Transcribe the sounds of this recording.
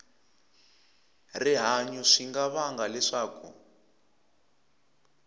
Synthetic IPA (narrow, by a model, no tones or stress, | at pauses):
riɦaɲuʂiŋɡaβaŋɡalɛʂaːkṵ